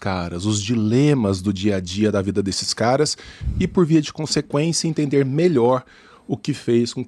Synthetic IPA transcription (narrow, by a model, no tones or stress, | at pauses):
kaɾɐzʊzd͡ʒilẽmɐzd̪ʊd͡ʒiɐad͡ʒiɐd̪ɐvid̪ɐd̪esɪ̥skaɾɐsɪpoɾviɐd͡ʒɪkõsekwẽsjɐẽnt̪ẽnd̪eɾmeʎɔɾ | ʊkɪfejskõ